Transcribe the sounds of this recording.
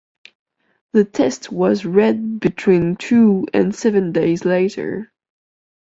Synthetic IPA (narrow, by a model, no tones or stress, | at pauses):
ðɨtʰɛst̚wʌzɹɛd̚bɨtʰw̥ĩntʰuɨ̰̃nsɛvɨ̃ndeɪzleɪɾə̰˞